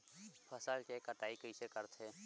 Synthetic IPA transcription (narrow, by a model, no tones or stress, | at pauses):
pʰəsəlkekəʈaːikəisekəɾt̪ʰe